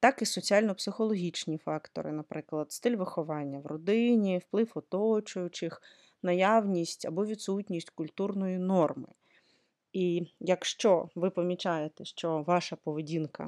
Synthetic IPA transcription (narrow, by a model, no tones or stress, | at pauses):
t̪ɑkisɔt͡sʲiɑlʲnɔpsɪxɔlˠɔɦʲit͡ʃnʲifɑkt̪ɔ̰ɾɪ̰nɐpɾɪklˠɐd̪st̪ɪlʲʋɪxɔʋɑnʲːɐwrɔd̪ɪnʲiwplˠɪwɔt̪ɔt͡ʃʊjʊt͡ʃɪx | nɐjɑwnʲisʲtʲɐ̰bɔʋʲid̪sutʲnʲisʲtʲkʊlʲt̪urnɔjinɔrmɪ̰ | ijɐkʃt͡ʃɔʋɪpɔmʲit͡ʃɑjet̪eʃt͡ʃɔʋɑʃɐpɔʋedʲinkɐ̰